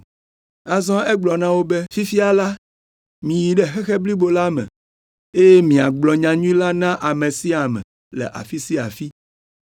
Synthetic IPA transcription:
a˨zɔ̃˦e˦ɡ͡blɔ˨nã˦wo˦be˦fi˦fi˦a˨la˦ | mĩ˨ji˨ɖɛ˦xe˦xe˦bli˦bo˨la˦mɛ̰̃˨ | e˦je˦mĩ˨a˨ɡ͡blɔ˨ɲã˨ɲũ˦ĩ˦la˦nã˦ʔa˨mẽ˨si˦a˨mɛ̰̃˨ | lɛ̰˨ʔa̰˨fi˦si˦a̰˨fi˦

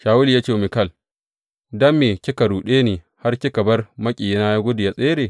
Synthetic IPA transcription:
ʃaː˨wʊ˦li˨jaː˦t͡ʃeː˦˨mɪ˨kɐ˦˨l | dɐ˦mːeː˨kʲɪ˦kɐ˨ɽuː˨ɗeː˦niː˨ | ha˦rkʲɪ˦kɐ˨bɐ˦rmɐ˦kʲʼi˨jnaː˦ja˦ɡʷʊ˦dɪ˨ja˨sʼeː˦ɾeː˨

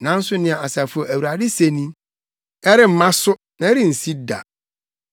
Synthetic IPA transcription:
nã˨˦n̩˦sʊ˦nɪ̃˦a˨a˨sa˨fʊ˨o˨æ˨wu˨ɾa˨dɪ˦se˦nĩ˦ | ɛ˦ɾɪ˦m̩˨˦mã˦sʊ˦ | nã˨˦ɾɪ˦n̩˨si˦da̰˨

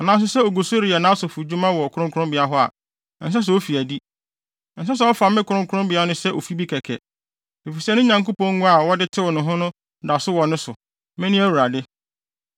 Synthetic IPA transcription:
ɔ˨nã˨˦s̬ʊ˦sɛ˦o˨ɡu˨sʊ˦ɾi˨a˨nãː˦sʊ˨fu˨d͡ʑu˦mã˦wɔ˨kʰʊ˦ɾʊ̃˦kʰʊ˦ɾʊ̃˦mbɪ˨a˦ɦɔ˦a̰˨ | n̩˨s̬ɛ˦s̬ɛ˨o˦fi˨æ˨di˦˨ | n̩˨˦s̬ɛ˦s̬ɛ˨˦ɔ˦fa˨mɪ̃˦kʰʊ˨ɾʊ̃˦ŋkʰʊ˦ɾʊ̃˦mbɪ˨˦a˦nʊ̃˦sɛ˦ʔo˨fi˦bi˦kʰɛ˨kʰɛ̰˨ | e˨fi˨sɛ˦nʊ̃˦ɲã˨ŋko˦pɔ̃˦ŋ˦ŋũ˦a˨wɔ˦dɪ˦tʰɪ˦wɔ˨nʊ̃˨ɦʊ̃˦nʊ̃˦ | na˨ɔ˨sʊ˦wɔ˨nʊ̃˦sʊ˨ | mɛ̃˦nĩ˦æ˦wu˨ɾa˨dɪ˦

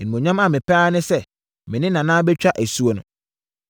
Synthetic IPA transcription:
ɪ˨n˨mõ˨ɲã˦ma˨mɪ̃˨pʰaː˦nɪ̃˦sɛ˦ | mɪ̃˨nɪ̃˦nã˨nãː˦bɛ˦t͡ɕᶣa˦ʔæ˨su˦o˨nʊ̃˨

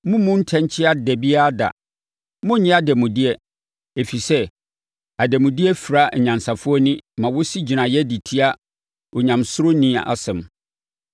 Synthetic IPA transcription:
mʊ̃˦mũ˦n̩˦tʰɛ̃˦ɲ˦t͡ɕʰɪ˦a˦dɛ˨bi˦a˦da̰˨ | mʊ̃˦ɲɪ̃˦a˦dɛ˨mʊ̃˨dɪ˦ɛ˦ | e˨fi˨sɛ˦ | a˨dɛ˨mʊ̃˨dɪ˦ɛ˦fi˨ɾa˦˨ɲã˨n˨sa˨fʊ˦ɔ˦nɪ̃˦mã˨wʊ˦si˦d͡ʑi˨nã˨jɛ˦di˨tʰi˦a˦ | ɔ˨ɲã˨msʊ˦ɾo˦nĩ˦a̰˨ʔa̰˨sɛ̃˨m

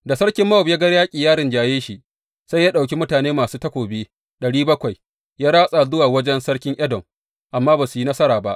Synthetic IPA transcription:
da˨sɐ˦ɽkʲɪ˦mːa˦wbja˦ɡɐ˦ɽjaː˦kʲʼiː˨jaː˦ɽɪ˨nd͡ʒaː˨jeː˦ʃi˨ | sa˦jaː˦ɗa˨wk̬ʲi˦mʊ˦taː˨neː˦maː˨suː˦tɐ˦kʷoː˨beː˦ | ɗɐ˨ɽiː˦bɐ˦kʷa˨j | jaː˦ɽaː˦sʼa˨zʊ˦waː˨wɐ˦d͡ʒɛ˦nsɐ˦ɽkʲɪ˦ŋʔɐ˦dɔ˨m | ʔa˨mːaː˦baː˨su˨ji˦nɐ˦sɐ˦ɾaː˨ba̰˦ʔ

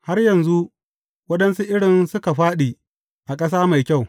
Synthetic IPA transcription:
ha˦rjɐ˨nzu˦ʔ | wɐ˦ɗɐ˦nsu˦ʔɪ˦ɽɪ˨nsʊ˦ka˨ɸaː˦ɗiː˨ | ʔa˨kʼɐ˦s̬aː˦ma˨jkʲa˦˨w

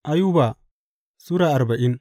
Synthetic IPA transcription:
ʔa˦ju˦baː˨ | su˦ɾaː˨ʔa˨ɾba˨ʔɪ˦n

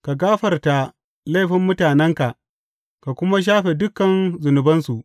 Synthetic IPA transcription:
ka˨ɡaː˦ɸɐ˨rta˨ | la˦˨ɸɪ˦mːʊ˦taː˨nɛ˦ŋka˨ʔ | ka˨kʷʊ˦ma˦ʃ̬aː˦ɸe˨dʊ˦kːɐ˨nzʊ˨nʊ˨bɐ˦nsu˨ʔ

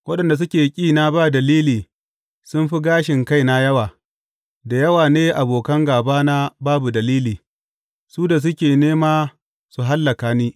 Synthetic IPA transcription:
wɐ˦ɗɐ˨nda˨s̬ʊ˦kʲeː˨kʲʼiː˦na˦baː˦˨dɐ˨liː˦liː˨ | sʊ˦nɸi˦ɡaː˦ʃɪ˨ŋka˦jna˦jɐ˦waː˨ | da˨jɐ˦waː˨neː˦ʔa˨boː˨kɐ˦ŋɡaː˨baː˦na˦baː˦bu˨dɐ˨liː˦liː˨ | suː˦da˨s̬ʊ˦kʲeː˨neː˦maː˦ | su˨ɦa˦lːɐ˨kaː˨niː˦

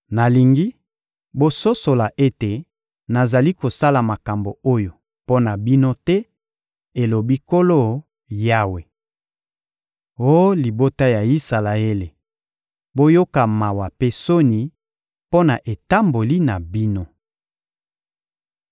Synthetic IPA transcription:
na˨li˨ŋɡi˦ | bo˦so˦so˨la˨ʔe˦te˨ | na˨za˨li˦ko˨sa˦la˨ma˨ka˨mbo˨o˦jo˨ | po˦na˨bi˦no˦tɛ˦ | e˨lo˨bi˦ko˦lo˦˨ | ja˦we˨ | o˦li˨bo˦ta˦ja˨i˦sa˨la˨e˦le˨ | bo˦jo˦ka˨ma˨wa˨pe˦so˦ni˨ | po˦na˨ʔe˨ta˦mbo˨li˦na˨bi˦no˦

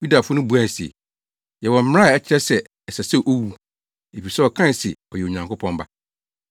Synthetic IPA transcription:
ju˦da˨fʊ˦nʊ̃˦bu˨˦a˦˨sḭ˨ | jɛ˨wɔ̃˨m̩˦m̃˦a˦˨ɛ˦t͡ɕʰɪ˦ɾɛ˦sɛ˨ | ɛ˨sa˨se˦˨ʔo˦wu˦ | e˨fi˨sɛ˦ɔ˨kʰã˦n˨sɪ̰˨ɔ˨jɛ˨o˨ɲã˨ŋkʰʊ˦pʰɔ̃˦m˦ba̰˦

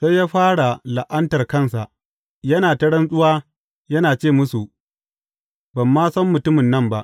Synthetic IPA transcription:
se˦jaː˦ɸaː˦ɽa˨la˨ʔɐ˦ntɐ˨rkɐ˦nsa˨ʔ | jɐ˦naː˨tɐ˦ɽɐ˦nsʼʊ˦waː˦ | jɐ˦naː˨t͡ʃeː˦˨mʊ˦su˨ʔ | bɐ˨mːaː˦sɐ˦mːʊ˨tʊ˦mɪ˨nːɐ˦mba˦ʔ

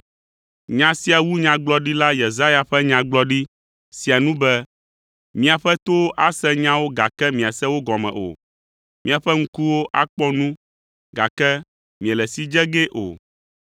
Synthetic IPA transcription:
ɲã˨si˦a˨wu˦ɲã˨ɡ͡blɔ˦ɖi˦la˦je˨za˦ja˨ɸɛ˦ɲã˨ɡ͡blɔ˦ɖi˦ | si˨a˨nũ˦bɛ˦ | mĩ˦a˨ɸɛ˦t̪o˦ʔa˦sɛ˦ɲã˦wo˦ɡa˨kɛ˦mĩ˨a˨sɛ˦wo˦ɡɔ˨mɛ̰̃˨ʔo̰˨ | mĩ˦a˨ɸɛ˦ŋ̩˦ku˦wo˦ʔa˦k͡pɔ˦nũ˦ | ɡa̰˨kɛ˦ | mĩ˨ɛ̃˨lɛ˨si˦d͡ʒɛ˦ɡe˦ʔo̰˨

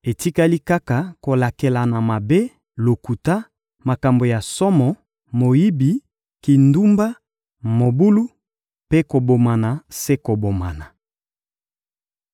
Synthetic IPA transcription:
e˨ti˦ka˦li˦ka˦ka˨ko˨la˨ke˨la˨na˨ma˨be˦ | lo˨ku˨ta˦ | ma˨ka˨mbo˨ja˨sɔ˦mɔ˨ | mo˨ji˦bi˨ | ki˨ndu˦mba˦ | mo˨bu˦lu˦ | pe˦ko˨bo˨ma˨na˨se˦ko˨bo˨ma˨na˨

